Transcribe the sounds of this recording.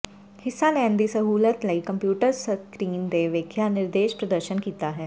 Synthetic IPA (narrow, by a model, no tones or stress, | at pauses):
hɪsːãnẽə̃nd̪isəɦuːlət̪ləikɐ̃mpjuːʈəɾsəkɾiːnd̪eʋeːkʰjanɪɾd̪eːʃpɾəd̪əɾʃənkiːt̪aɦɛː